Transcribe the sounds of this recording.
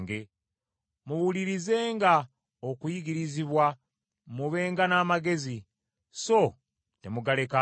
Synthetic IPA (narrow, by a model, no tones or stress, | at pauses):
ŋɡe | muwuliɾize̞ːŋɡa | okwiɡiɾiziβwa | muβe̞ːŋɡanaːmaɡe̞zi | so̞ | te̞muɡale̞ka